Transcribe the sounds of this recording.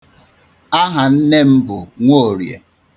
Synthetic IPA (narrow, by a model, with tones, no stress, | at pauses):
a˦ɦa˨n̩˦ne˦m̩˦bʊ˨ŋʷo˦˨ɾjḛ˨